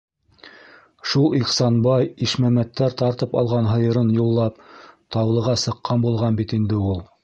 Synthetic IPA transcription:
ʃulˠiqsɑnbɑjiʃmæmæt̪ːæɾt̪ɑɾt̪ɤpɑ̰lˠʁɑnɦɤ̆jɤ̆ɾɤnjulˠːɑpt̪ɑwlˠɤ̆ʁɑsɤ̆qːɑnbulˠʁɑnbit̪ind̪ɘulˠ

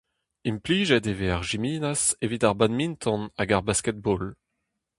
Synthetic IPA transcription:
impliːʒɛt̪eveaʁʒimiːnasevit̪aʁbanmint̪ʰɔ̃naɡaʁbaskɛt̪̚bɔl

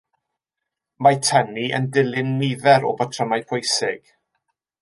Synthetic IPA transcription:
majtʰəniʔə̰ndɪlˠɪnːɪðɛɾɔ̰batʰrəmajpʰojsɪɡ̥

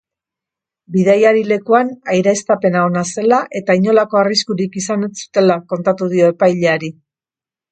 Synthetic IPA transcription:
biðajaɾile̞kuanajɾaest̪ape̞naonase̞laʔe̞t̪aiɲo̞lako̞ariskuɾikisanesu̥t̪e̞lako̞nt̪at̪uð̞io̞e̞pajʎe̞aɾi

